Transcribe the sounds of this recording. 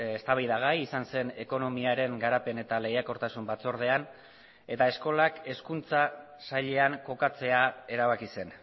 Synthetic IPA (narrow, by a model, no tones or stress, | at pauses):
est̪aβajðaɣ̞ajisanse̞ne̞ko̞no̞miaɾe̞ŋɡaɾape̞ne̞t̪ale̞jako̞ɾt̪asumbat͡so̞ɾð̞e̞an | e̞t̪ae̞sko̞lake̞skunt͡sa | saʎe̞aŋko̞kat͡se̞ae̞ɾaβakise̞n